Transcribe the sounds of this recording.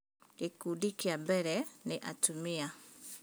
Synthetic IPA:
ikudikiambɛɾɛnɛʔatumia

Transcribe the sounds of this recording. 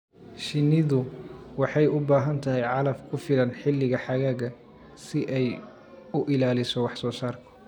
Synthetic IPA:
ʃɪnːɪðʊwɑħɑjʊbaːɦɐnt̪ʰɐɦɛjʕɑlɐfkʰʊfɪlɐnħɪlːɪɣɐħɑɣaːɣɐ | sɪʔɛj | ʊʔɪlaːlɪsɔwɑħsɔːsaːrkʰʊ̥

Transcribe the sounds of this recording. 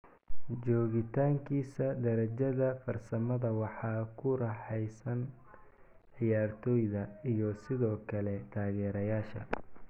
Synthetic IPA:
d͡ʒɔːɣɪt̪ʰaːŋkʰiːsɐd̪ɐɾɐd͡ʒɐðɐfɐrsɐmɐðɐwɑħɑːkʰʊɾɑħɛjsɐn | ʕɪjaːrt̪ʰɔːjðɐijɔsɪðɔːkʰɐlɛt̪ʰaːɣɛːɾɐjaːʃɐ̰

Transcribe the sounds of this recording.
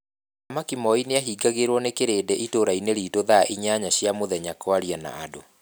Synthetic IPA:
amakimɔineaɦiːɡaɣeɾwɔnekeɾeːdɛʔitoɾaineɾiːtoðaʔiɲaɲaɕjamoðɛɲakwaɾijana̰ado̰

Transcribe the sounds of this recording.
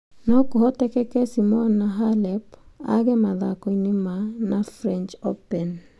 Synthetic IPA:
nɔkɔɦɔtɛkɛkesimɔnːaɦalɛpa̰ɡɛmaðakonɪmanafɾɛnt͡ʃopɛn

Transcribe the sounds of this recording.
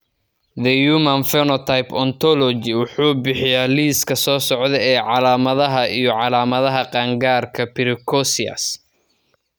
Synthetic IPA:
ðɛjuːmɐnfɛnɔt̪ʰajpʰɔnt̪ʰɔlɔd͡ʒɪwʊħuːbɪħɪjaːliːskʰɐsɔːsɔʕðɛɛːʕɑlaːmɐðɐɦɐʔijɔʕɑlaːmɐðɐɦɐqɑːŋɡaːrkʰɐpʰɪɾɪkʰɔsɪɐ̰s

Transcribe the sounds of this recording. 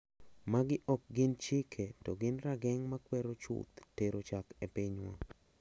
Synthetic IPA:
maɡɪʔɔk̚ɡɪnt͡ʃikʰetɔɡɪnɾaɡɛŋmakwɛɾot͡ʃʊ̰t̪teɾot͡ʃakepɪɲwa̰

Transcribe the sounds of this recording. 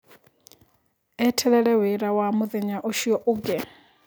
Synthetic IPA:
ɛtʰɛɺɛɺɛwɛɾawamuðɛɲaʔɔʃiɔʔuɡɛ

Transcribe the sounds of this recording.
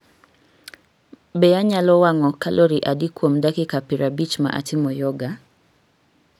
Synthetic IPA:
bɛaɲalɔwaŋɔkalʔoɾiʔadikwomdakɪkapiɾʔabit͡ʃma̰ʔa̰tɪmɔjɔɡa

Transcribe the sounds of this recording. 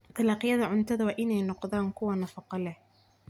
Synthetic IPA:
t̪ʰɑlɑːqɪjɐðɐʕʊnt̪ʰɐðɐwaʔɪnɛjnɔqðaːŋkʰʊwɐnɑfɑqɑlɛh

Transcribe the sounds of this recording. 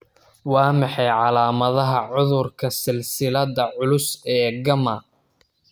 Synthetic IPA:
wɑːmɑħɑjʕɑlaːmɐðɐɦɐʕʊðʊrkʰɐsɪlsɪlɐðɐʕʊlʊsɛːɡɐmɐ̰

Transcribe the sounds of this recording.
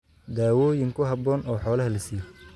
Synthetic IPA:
d̪aːwɔːjɪŋkʰʊɦɐbɔːnɔːħɔːlɐɦɐlɐsiːjɔ

